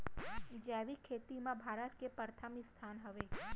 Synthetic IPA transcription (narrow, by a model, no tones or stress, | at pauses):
d͡ʒaʋikʰet̪imãbʱaɾət̪kepəɾt̪ʰəmist̪ʰanɦəʋe